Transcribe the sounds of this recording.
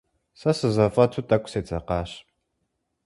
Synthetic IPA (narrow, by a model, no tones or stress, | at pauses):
sɐsɨzɐfʼɐtʰuːtʼɐkʷʼseːt͡sʼɐqɑːɕ